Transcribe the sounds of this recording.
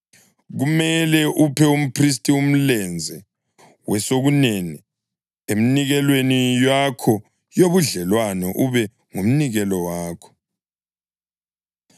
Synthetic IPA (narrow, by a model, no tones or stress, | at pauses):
ɣumɛlɛʔupʰɛum̩pʰris̬tʼium̩lɛnd͡zʱɛ | wɛsoɣuneni | em̩niɣɛlwenijwakʰɔ | joβuɮɛlwanɛʔuβɛ | ŋum̩niɣɛlɔwaːkʰɔ̥